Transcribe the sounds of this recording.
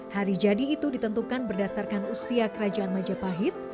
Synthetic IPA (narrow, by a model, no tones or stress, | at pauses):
haɾid͡ʒadiːt̪udit̪ənt̪ukanbərdasarkanusiakəɾad͡ʒaanmad͡ʒapaɦɪt̪̚